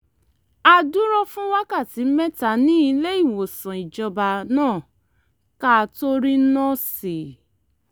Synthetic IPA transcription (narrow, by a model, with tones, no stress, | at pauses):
a˧du˦ɾɔ˦fũ˦wa˦ka˦˨ti˨˦mɛ˦ta˨˦nĩ˦i˧le˦i˦˨wo˨sã˨i˨d͡ʒɔ˧ba˨nãː˦˨ | ka˦˧to˦ɾi˦nɔ̃˦˨si˨